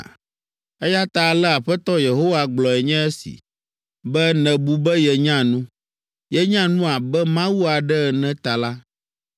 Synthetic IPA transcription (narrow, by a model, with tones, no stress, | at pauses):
ɛ˦ja˦t̪a˨lɛ˦a˨ɸɛ˦t̪ɔ˦je˨ɦo˦wa˦ɡ͡blɔ˨ɛ˨ɲɛ̃˦ɛ˦sḭ˨ | bɛ˦nɛ̃˨bu˨bɛ˦jɛ˨ɲã˦nũ˦ | jɛ˨ɲã˦nũ˦a˨bɛ˦mã˦wu˦a˨ɖɛ˦ɛ˨nɛ̃˦t̪a˨la˦